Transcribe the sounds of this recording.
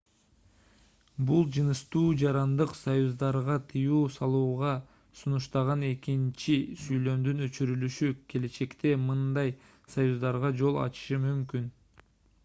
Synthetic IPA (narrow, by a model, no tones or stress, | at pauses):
bulˠd͡ʒɯnɯʃt̪uːd͡ʒɑɾɑnd̪ɯqsojuzd̪ɑɾʁɑt̪ʰɯjuːsɑlˠuːʁɑ | sunuʃt̪ɑʁɑne̞kint͡ʃisyjlø̞md̪ynø̞t͡ʃyɾylyʃykʰe̞le̞t͡ʃe̞kt̪e̞mɯnd̪ɑj | sɐjuzd̪ɑɾʁɑd͡ʒo̞lˠɑ̰t͡ʃɯ̥ʃɯmymkyn